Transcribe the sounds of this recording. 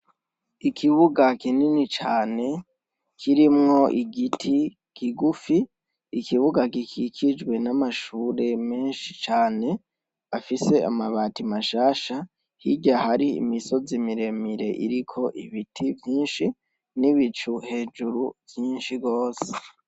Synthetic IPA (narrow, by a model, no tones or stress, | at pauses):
ikʰiβuɡakininit͡ʃaːne̞ | kʰiɾimŋo̞ʔiɡitʰi | kʰiɡufiː | kʰiβuɡakikʰikʰid͡ʒɡwe̞namaʃuːɾe̞me̞ːnʃit͡ʃaːne̞ | afise̞a̰maβaːtimaʃaːʃa | hiɟahaɾḭːmiso̞zimiɾe̞miɾe̞̰ʔḭɾikʰo̞ʔiβitʰivjiːnʃi | niβit͡ʃuhe̞ːd͡ʒuɾuv̥jiːnʃiɡo̞ːse̥